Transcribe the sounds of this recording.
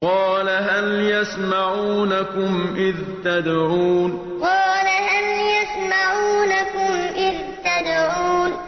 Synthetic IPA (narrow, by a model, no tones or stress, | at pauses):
qɑːlaɦaljasmaʕuːnakʊmʔɪð | t̪ad̪ʕuːn | qɑːlahaljasmaʕuːnakʊmʔɪð | t̪ad̪ʕuːn